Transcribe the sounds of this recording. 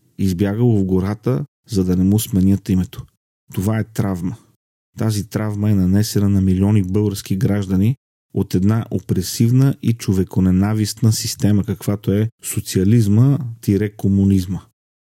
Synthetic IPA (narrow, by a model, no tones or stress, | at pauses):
izbjaɡəvəvɡoɾat̪ə | zɐd̪ɐnɛmusmɛnʲjət̪imɛt̪o̥ | t̪ovaɛt̪ɾavmə | t̪azit̪ɾavməɛnɐnɛsɛnənɐmiliɔnibɤlˠɡəɾskiɡɾaʒd̪ɐni | ot̪ɛd̪naʔopɾɛsivnəʔit͡ʃovɛkonɛnavist̪nəsist̪ɛməkɐkv̥at̪oɛsot̪siɐlizmət̪iɾɛkomunizmə